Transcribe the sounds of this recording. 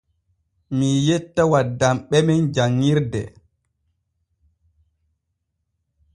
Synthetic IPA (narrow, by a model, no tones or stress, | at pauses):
mijetːawadːamɓɛmɛnd͡ʒaŋːiɾdɛ̰